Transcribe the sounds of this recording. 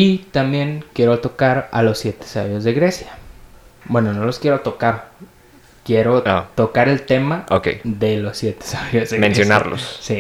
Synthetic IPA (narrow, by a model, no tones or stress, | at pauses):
it̪ambje̞ŋkje̞ɾo̞t̪o̞kaɾa̰lo̞sːje̞t̪e̥saβjo̞zðe̞ɣɾesja | bwe̞no̞no̞loskje̞ɾo̞t̪o̞kaɾ | kje̞ɾo̞at̪o̞kaɾe̞lt̪e̞mao̰kḛjðe̞lo̞sːje̞t̪esaβjozðemẽnsjona̰ɾlo̰ssi